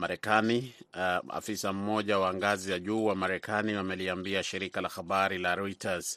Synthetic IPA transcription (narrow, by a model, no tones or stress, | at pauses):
maɾɛkani | a̰fisam̩mɔʄawaŋɡazijaʄuːwamaɾɛkʰaniwamɛliambiaʃiɾikalaxaɓaɾilaɾɔitʰaz